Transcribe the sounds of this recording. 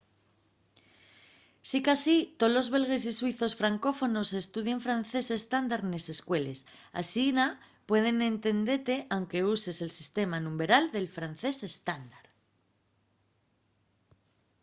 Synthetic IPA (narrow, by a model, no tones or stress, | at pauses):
sikasit̪olo̞zβe̞lɣ̞e̞s̬iswiθo̞sfɾaŋko̞fo̞no̞se̞st̪uð̞je̞ɱfɾanθe̞se̞st̪and̪aɾne̞se̞skwe̞le̞s | a̰sina | pwe̞ð̞e̞nẽ̞nt̪e̞nd̪e̞t̪e̞ʔawŋke̞use̞se̞lsist̪e̞manũmbe̞ɾald̪e̞lfɾan̟θe̞se̞st̪and̪aɾ